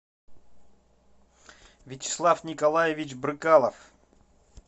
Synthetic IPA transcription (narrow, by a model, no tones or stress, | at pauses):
vʲɪt͡ɕɪ̥slˠafnʲɪkɐlˠajɪvʲɪt͡ʃbɾɨkalˠəf